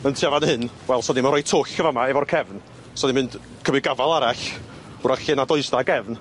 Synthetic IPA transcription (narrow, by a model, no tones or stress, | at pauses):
əntʰiavanhɨnwɛlˠsɔnimanrɔjtʰʊːɬkʰəvamaɛvɔrkʰɛvn | sɔnimɪnd̥ | kʰəmɪɡavalˠaɾaɬ | ʊɾaɬɪnadɔɨsdaɡɛvn